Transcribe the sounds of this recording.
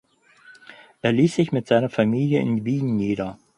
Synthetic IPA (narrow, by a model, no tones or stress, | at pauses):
ʔeːɐliːsz̥ɪçmɪtz̥aɪnɐfamiːljəɪ̰nviːnniːdɐ